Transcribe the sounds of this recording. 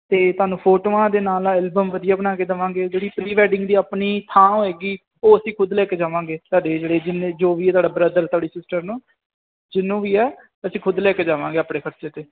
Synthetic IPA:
t̪eːt̪ʊaːnũːpʰoːʈoːãːd̪eːnaːlaɛːlbəmʋəd̪ɪjaːbnaːkeːd̪əʋãːŋɡeːd͡ʒeːɽiːpɾiːʋɛːɖɪ̃ŋɡd̪iːaːpɳiːt̪ʰãːoeːɡiː | oːəsĩːkʰʊd̪lɛːkeːd͡ʒaːʋãːɡeːt̪aːɖeːd͡ʒeːɽeːd͡ʒɪnẽːd͡ʒoːʋiːɛt̪waːɖaːbɾəd̪əɾt̪ʊaːɽiːsɪsʈəɾnũː | d͡ʒɪnːũːʋiːɛː | əsĩːkʰʊd̪lɛːkeːd͡ʒaːʋãːŋɡeːaːpɳeːkʰəɾt͡ʃeːt̪eː

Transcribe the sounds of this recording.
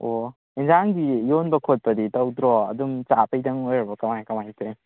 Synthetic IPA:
o | inzaŋɡijonbɐkʰot̚pɐditɐwdɾɔɐ̰dumt͡ʃapɐjdɐŋojɾɐbɐkɐmajkɐmajtʰe

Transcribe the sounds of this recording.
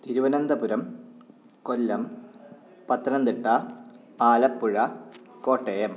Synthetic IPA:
t̪iɾuʋɐnɐnd̪ɐpuɾɐm | kolːɐm | pɐt̪ːɐnɐnd̪iʈːɐ | aːlɐpːuɻɐkoːʈːɐjɐm

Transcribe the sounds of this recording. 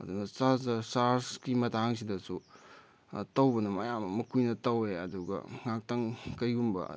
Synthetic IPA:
ɐ̰dunɐsazɐsaɾskimɐtʰaŋs̬idɐsu | tɐwbɐnɐmɐjamɐmɐkʰujnɐtɐweɐ̰duɡɐ̰ŋak̚tɐŋkɐjɡumbɐ̰

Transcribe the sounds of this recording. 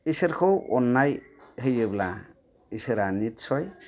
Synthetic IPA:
iseɾkʰɔwɔnːaj | ɦejɯbla̰ | iseɾanitsʰɔj

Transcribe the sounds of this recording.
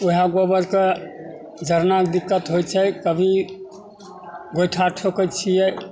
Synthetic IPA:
oɦaɡobəɾke | d͡ʒʱəɾnakd̪ikːət̪ɦojt͡ʃʰɛkəbʱi | ɡojʈʰaʈʰokət͡ʃʰijɛ

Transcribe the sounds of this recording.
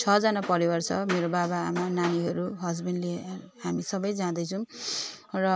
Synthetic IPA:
t͡sʰʌd͡zʌnapʌɾiwʌrt͡sʰʌmeɾobabaːmananiɦʌɾuɦʌd͡zbʌnle | ɦamisʌbʌjd͡zãd̪ʌjt͡sʰʌ̃w̃ | rʌ

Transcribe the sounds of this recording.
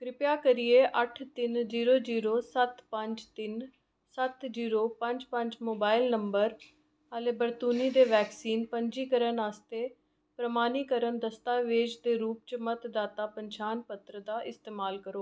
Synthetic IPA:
kɾɪpjaːkəɾieːʔəʈʰt̪ɪnziːɾoːd͡ʒiːɾoːsət̪pəɲd͡ʒt̪ɪn | sət̪d͡ʒiːɾoːpə̃ɲd͡ʒpə̃ɲd͡ʒmoːbaːɪlnəmbəɾ | əleːbəɾt̪uːniːd̪eːʋɛːksiːnpəɲd͡ʒiːkəɾənaːst̪eː | pɾəmaːniːkəɾənd̪əst̪aːʋɪːd͡ʒd̪eːɾuːp̚t͡ʃəmət̪d̪aːt̪aːpəɲt͡ʃaːnpət̪ɾəd̪aːʔɪst̪eːmaːlkəɾoː

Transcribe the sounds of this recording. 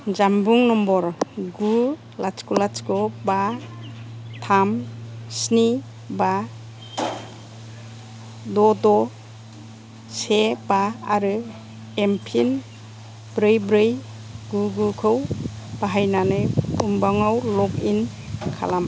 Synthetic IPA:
d͡ʒambuŋnɔmbɔɾɡu | lat͡ʃkulat͡ʃkɔba | tʰamsni | ba | dɔdɔ | sebaa̰ɾɯ | empʰin | bɾɯjbɾɯj | ɡuɡukʰɯw | b̥aɦajnanɯjumbaŋawlɔkin | kʰa̰lam

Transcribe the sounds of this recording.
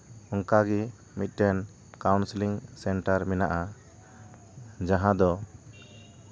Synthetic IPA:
ɔŋkaɡi | mit̪̚ˀʈɛn | kawnsliŋsɛnʈaɾmɛnaʔa | d͡ʒaɦãd̪ɔ

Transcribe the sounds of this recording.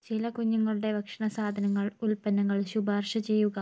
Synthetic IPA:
t͡ɕilɐkuɲːuŋːɐɭuɽe̞ʋɐkʂɐɳɐsaːd̪ʱɐnɐŋːɐɭulpɐnːɐŋːɐɭɕubaːrʂɐt͡ɕe̞jːuɣɐ

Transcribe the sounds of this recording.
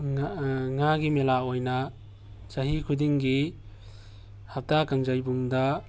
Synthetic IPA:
ŋaɡimelaojnɐ | t͡ʃɐɦikʰudiŋɡi | hap̚takaŋzajbuŋdɐ

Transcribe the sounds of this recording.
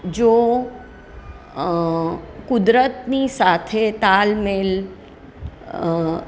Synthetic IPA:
d͡ʒo | kʊd̪ɾət̪nisat̪ʰet̪almel

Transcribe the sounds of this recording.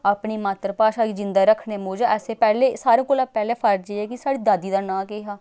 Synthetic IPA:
aːpniːmaːt̪ɾəpaːʃaːɡid͡ʒɪnd̪aːɾəkʰneːmoːd͡ʒaːɛːseːpɛːleːsaːɾẽːkoːlaːpɛːleːpʰəɾd͡ʒeːɛːkɪsaːɽiːd̪aːd̪iːd̪aːnãːkeːɦaː

